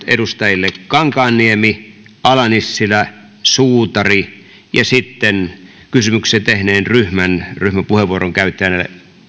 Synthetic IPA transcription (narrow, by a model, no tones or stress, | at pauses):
ḛɾust̪ɑjilːekkɑŋkɑːnːiemi | ɑlɑnisːilæ | suːt̪ɑri | jɑsit̪ːen | kysymykset̪ehneːnryhmænryhmæpuheʋʋuoroŋkæyt̪ːeænelːḛ